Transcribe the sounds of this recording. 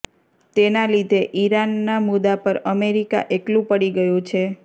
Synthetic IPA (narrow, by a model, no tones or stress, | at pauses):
t̪enalid̪ʱeʔiɾanːamud̪apəɾəmeɾika̰ʔeklũpəɽiɡəjũt͡ʃʰe